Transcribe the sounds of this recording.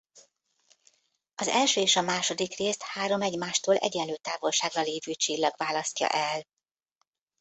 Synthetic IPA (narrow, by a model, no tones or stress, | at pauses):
ɒzɛlʃøːeːʃɒmaːʃo̞d̪ikreːst̪haːɾo̞mɛɟmaːʃt̪oːlʔɛ̰ɟɛnløːt̪aːvo̞lʃaːɡrɒleːvyːt͡ʃilːɒɡvaːlɒsc̪ɒ̰ʔɛl